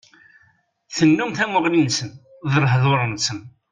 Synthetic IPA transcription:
θənːumθæmʊʁlinsən | ðəɾˤɦðˤoɾˤənsən

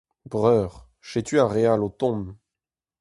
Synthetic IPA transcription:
bʁœʁ | ʃet̪yaʁealot̪ɔ̃m

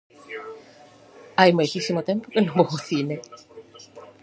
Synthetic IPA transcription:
ajmexisimot̪empokenomoɣoθine

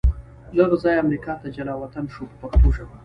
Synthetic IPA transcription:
ləɣzɑjamɾikɑt̪ad͡ʒalɑwat̪anʃopəpaxt̪oʃama

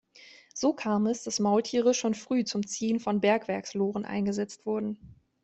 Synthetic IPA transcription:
z̥oːkʰaːmɛsd̥asmaʊltʰiːʁəʃoːnfʁ̥yːt͡sʊmt͡siːənfɔnbɛɐkv̥ɛɐksloːʁənʔa̰ɪnɡəzɛt͡stv̥ʊɐdn̩

